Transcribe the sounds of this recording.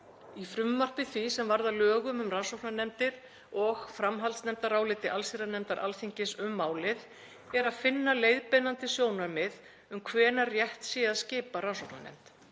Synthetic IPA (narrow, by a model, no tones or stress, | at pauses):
ifɾʏmːar̥pɪθvisɛmvaɾðalœːɣʏmʏmrawsowknanɛmt̪ɪɾ̥ | ɔɣfɾamɦalt̪snɛmt̪aɾaːwlɪt̪ɪʔalsiɾanɛmt̪aɾʔa̰lθiɲcɪsʏmːaːwlɪð | ɛɾaðfɪnːalejðpɛnant̪ɪsjoːwnaɾmɪð | ʏmkʰvɛːnarjɛht̪siːaðscɪːpaɾasowkna̰nɛ̰m̥t̪